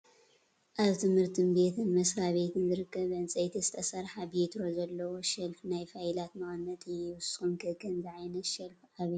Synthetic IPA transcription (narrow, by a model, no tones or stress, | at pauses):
ʔaβt̪ʰɨmhɨɾt̪ʰɨnbe̞t̪ʰɨnmɐsɾaβe̞t̪ʰɨnzɨɾɨkːɐβɐnsʼɐjt̪ʰizɨt̪ʰɐsɐɾħabet̪ɾo̞zɐlːɐwo̞ʃɐlfnajfajlat̪mɐxnːɐt̪ʰʼɨjɪwʊsxumkʰɨkʰɐnzɨʕajnɐʃɐlfʔaβi